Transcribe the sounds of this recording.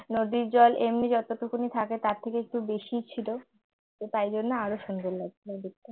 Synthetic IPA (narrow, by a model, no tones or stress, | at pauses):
nod̪iɾd͡ʑɔlʔemnid͡ʑɔt̪ot̪okʰunit̪ʰaket̪aɾt̪ʰːekeek̚ʈubeʃit͡ɕʰilo | et̪ajd͡ʑonːeaɾoʃund̪ollat͡ɕʰilob̪ikt̪ːe